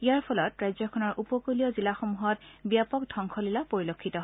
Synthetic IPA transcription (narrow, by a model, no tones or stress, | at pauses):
iaɹpʰɔlɔtɹajzɔkʰɔnɔɹʔupɔkulijɔzilaxomuɦɔtbiapɔk̚dʱɔŋkʰɔlilapoɹilokʰːitɔɦ